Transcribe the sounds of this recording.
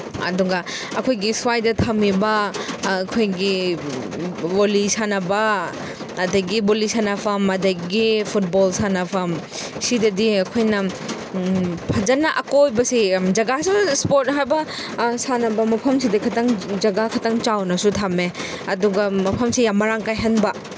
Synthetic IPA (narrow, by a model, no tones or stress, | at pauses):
ɐ̰duɡɐɐkʰojɡisuwajdɐtʰamibɐː | kʰojɡi | bolisanɐbɐː | dɐɡibolisanɐpʰɐmɐdɐɡipʰut̚bolsanɐpʰɐm | sidɐdiɐkʰojnɐ | pʰɐzɐnɐʔɐkojbɐsid͡ʒɐɡasuspoɾt̚ɦajbɐ | sanɐbɐmɐpʰɐmsidɐkʰɐtɐŋd͡ʒɐɡakʰɐtɐŋt͡ʃawnɐsutʰame | ɐduɡɐmɐpʰɐmsijamːɐɾaŋkajɦɐnbɐ